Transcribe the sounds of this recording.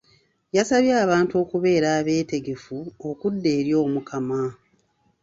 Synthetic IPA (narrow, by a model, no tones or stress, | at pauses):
jasaβjaːβaːntuo̞ːkuβe̞ːɾaːβe̞ːte̞ɡe̞fuo̞kudːe̞ːɾjo̞ːmukʰama